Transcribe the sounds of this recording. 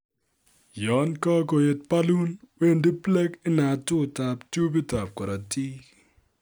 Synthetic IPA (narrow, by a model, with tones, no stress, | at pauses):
jɔ˨˦nkɔ˦ko˨je˨t̚pa˦lu˦nwe˦ndi˦ple˦kɪ˦na˨tʊ˦˨ta˨ptu˦bi˦ta˨p̚kɔ˨ɾa˨ti˦